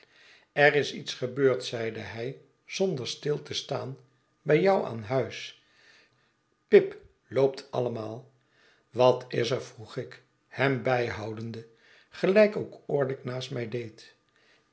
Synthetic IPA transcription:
ɛrɪsḭtsχəbøːɹtsɛjdəɦɛj | z̥ɔndəɹstɪlˠtəstaːn | bɛjɒwa̰ːnɦœɥs | pɪp | lowp̚tʰɑ̰ləmaːlˠ | ʋɑtʰɪsəɹvruχɪk | hɛmbɛjɦɑwdəndə | χəlɛjkoʊkʊːɹdɪknaːstmɛjdejt

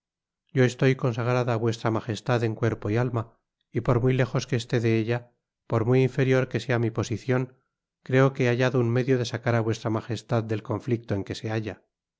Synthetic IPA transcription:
ɟ͡ʝo̞e̞st̪o̞jko̞nsaɣ̞ɾaðaːβwe̞st̪ɾamaxe̞st̪aðe̞ŋkwe̞ɾpo̞ialma | ipo̞ɾmujle̞xo̞ske̞ːst̪e̞ðe̞eʎa | po̞ɾmujiɱfe̞ɾjo̞ɾke̞se̞amipo̞siθjo̞ŋ | kɾe̞o̞keeaʝaðounme̞ðjo̞ðe̞sakaɾaβwe̞st̪ɾamaxe̞st̪aðde̞lko̞ɱflik̚t̪o̞e̞ŋke̞se̞aʝa

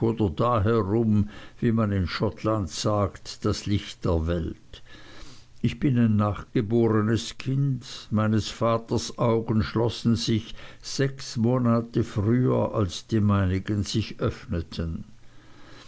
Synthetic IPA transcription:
oːdɐdaːɦɛʁʊmviːmanɪnʃɔtʰlantsaːktd̥aslɪçt̚d̥eːɐvɛlt | ɪçb̥ɪnaɪnːaːχɡ̥əboːʁənəskʰɪndmaɪnəsfaːtɐsʔaʊɡən̩ʃlɔsn̩zɪçz̥ɛksmoːnaːtəfʁyːɐ̰ʔalsd̥iːmaɪnɪɡənz̥ɪçʔœfnətʰən

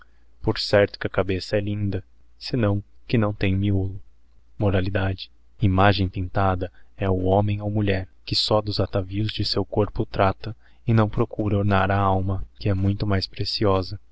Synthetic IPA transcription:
poɾsɛɾt̪ʊ̥kʲɪɐkabesɐɛlĩnd̪ɐ | sɪnɐ̃w̃kɪnɐ̃w̃t̪ẽj̃miulʊ | moɾalid̪ad͡ʒɪ̥ | imaʒẽj̃t̪ẽnt̪ad̪ɐɛʊõmẽj̃owmuʎɛɾkɪsɔd̪ʊzat̪aviʊzd͡ʒɪsewkoɾpʊt̪ɾat̪ɐ | ɪnɐ̃w̃pɾokuɾɐoɾnaɾɐawmɐkɪɛmũj̃t̪ʊmajspɾesiɔzɐ

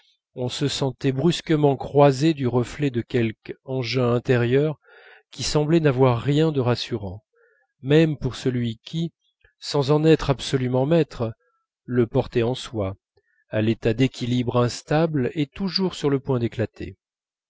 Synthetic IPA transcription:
ɔ̃səsɑ̃t̪ɛbʁyskəmɑ̃kχwazed̪yʁəflɛd̪əkʲɛlkɑ̃ʒɛ̃ɛ̃t̪eʁjœʁ | kʲisɑ̃blɛnavwaʁːjɛ̃d̪əʁasyʁɑ̃ | mɛmpuʁsəlɥikʲʰi | sɑ̃zɑ̃nɛt̪χabsɔlymɑ̃mɛt̪χ | ləpɔʁt̪ɛɑ̃swa | alet̪ad̪ekʲilibʁɛ̃st̪ablet̪uʒuʁsyʁləpwɛ̃d̪eklat̪ʰḛ

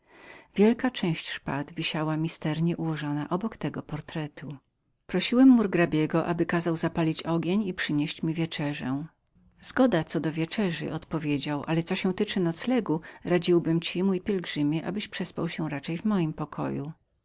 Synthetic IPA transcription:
vʲjɛlkat͡ʂɛ̃w̃ɕt͡ɕʂpad̪vʲiɕawamʲist̪ɛɾɲɛʔuwɔʐɔnaʔɔbɔkt̪ɛɡɔpɔɾt̪ɾɛt̪ʰu | pɾɔɕiwɛmːuɾɡɾabʲjeɡɔʔabɘkazawzapalʲit͡ɕɔɡʲeɲipʂɘɲeɕt͡ɕmʲivʲjɛt͡ʂɛʐɛ̰̃ | zɡɔd̪at̪sɔd̪ɔvʲjɛt͡ʂɛʐɘ̰ʔɔt̪pɔvʲjed͡ʑawʔa̰lɛt̪sɔɕɛ̃w̃t̪ɘt͡ʂɘnɔt̪slɛɡuɾad͡ʑiwbɘmt͡ɕimujpʲjɛlɡʐɘmʲjɛʔa̰bɘɕpʂɛspawɕɛ̃ɾat͡ʂɛjvmɔjimpɔkʰɔ̰ju

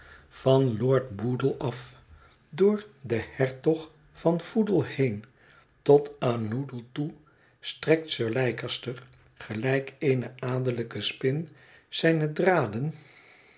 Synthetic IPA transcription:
v̥ɑnlʊːɹd̚budəlˠɑf | dʊːɹdəhɛɹtɔχ | fɑnv̥udəlˠhejn | tɔtaːnːudəlˠtu | strɛk̚tsøːɹlɛjkəstəɹ | χəlɛjkejnəaːdələkəspɪn | z̥ɛjnədraːdən

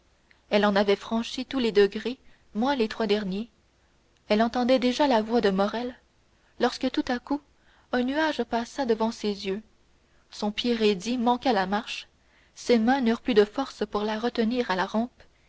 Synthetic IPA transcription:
ɛlɑ̃navɛfχɑ̃ʃit̪uled̪əɡʁe | mwɛ̃let̪χwad̪ɛʁnje | ɛlɑ̃t̪ɑ̃d̪ɛd̪eʒalavwad̪əmɔʁɛlː | ɔʁskət̪ut̪aku | œ̃nyaʒpasad̪əvɑ̃sezjø | sɔ̃pjeʁed̪imɑ̃kalamaʁʃ | semɛ̃nyːʁplyd̪əfɔʁspuʁlaʁət̪əniːʁalaʁɑ̃ːp

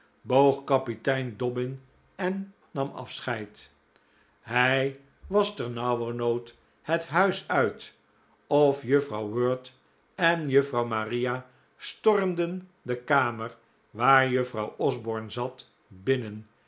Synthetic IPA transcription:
bowχkɑpitɛjndɔbɪn | ɛnː | ɑmɑ̰fsχɛjt | ɦɛj | ʋɑstɛɹnɑwərnowt | hətɦœɥsœɥt | ɔfjøfrɑwwøːɹt | ɛnjɵfrɑwmarija | stɔrmdəndəkaːməɹ | ʋaːɹjɵfrɑwʔɔzbɔɹnzɑt | bɪnən

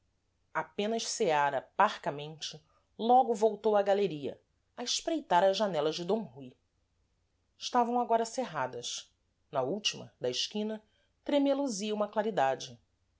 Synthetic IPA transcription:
apẽnɐʃseaɾɐpaɾkɐmẽnt͡ʃɪ | lɔɡʊvowt̪owɐɡaleɾiɐ̰ | ɐɪʃpɾejt̪aɾɐzʒːanɛlɐʒd͡ʒɪd̪õɦuj | ɪʃt̪avɐ̃w̃aɡɔɾɐseɦad̪ɐs | nɐuwt͡ʃimɐ̰d̪ɐɪʃkĩnɐ | t̪ɾemeloziɐũmɐklaɾid̪ad͡ʒɪ

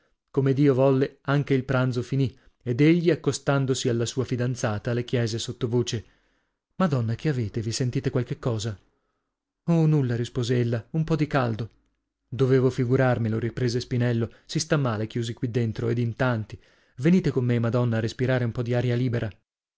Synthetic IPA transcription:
komed̪iːovɔlːeaŋk̟eilpɾant̪zofini | ed̪eʎːiakːost̪and̪osialːasuːafid̪ant̪saːt̪alːek̟jɛːzesot̪ːovoːt͡ʃe | mad̪ɔnːak̟eaveːt̪evisent̪iːt̪ekwalk̟ekːɔːza | onulːaɾispoːzeelːaumpɔd̪ikald̪o | d̪oveːvofiɡuɾarmiloɾipɾeːzespinɛlːosist̪amːaːlek̟juːzikwid̪ːent̪ɾoed̪int̪ant̪i | veniːt̪ekomːemad̪ɔnːaːrespiɾaːɾeumpɔd̪iaːɾjaliːbeɾʔa

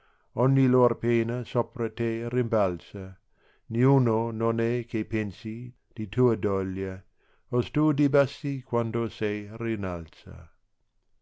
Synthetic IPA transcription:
ɔɲːiloːɾpeːnasopɾɐt̪eɾimbalsɐ | niuːnononɛkʰepensi | d̥it̪ʰuːɐd̪ɔlja | ost̪uːdibasːikwand̪osɛjrinalsɐ̰

